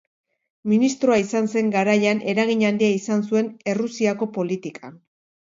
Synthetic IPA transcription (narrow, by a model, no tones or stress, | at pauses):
minist̪ɾoaisanse̞ŋɡaɾajanʔe̞ɾaɣiɲand̪iaisansue̞ne̞rusiako̞po̞lit̪ikʰan